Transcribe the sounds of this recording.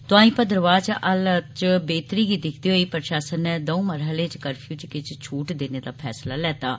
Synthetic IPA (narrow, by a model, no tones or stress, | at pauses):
t̪ʊãːĩːpəd̪əɾəʋaːd͡ʒaʔəlt͡ʃbeːt̪ɾiːɡiːd̪ɪkʰd̪iːɦoːiːpəɾʃaːsənːɛːd̪əũːməɾɦəlẽːt͡ʃkəɾpʰjuːt͡ʃkɪt͡ʃt͡ʃʰuːʈd̪eːneːd̪aːpʰɛːslaːlɛːt̪aː